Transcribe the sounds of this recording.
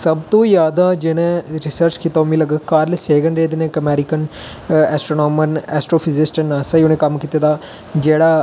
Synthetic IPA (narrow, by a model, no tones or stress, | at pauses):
səbt̪õːjaːd̪ãːd͡ʒɪnẽɾɪsəɾt͡ʃkit̪aːmĩːləɡəkaːɾleseːɡəɳɾeːd̪enẽːkəmɛːɾɪkən | ɛːsʈɾoːnoːmənɛːsʈɾoːpʰɪzɪsʈənaːsaːʊnẽːkəmkiːt̪eːd̪aː | d͡ʒeːɽaː